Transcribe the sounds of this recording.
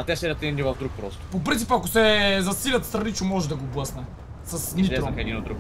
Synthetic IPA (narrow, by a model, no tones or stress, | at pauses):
ɐt̪ɛsɛɾʲɐt̪ɛnʲivɐvd̪ɾuk̚pɾɔst̪popɾint̪i̥pəɐkosɛzɐsilʲɐt̪st̪ɾɐnit͡ʃomɔʒɛd̪ɐɡoblˠəsnɐ | sɐsnʲit̪ɾxɛd̪inod̪d̪ɾuk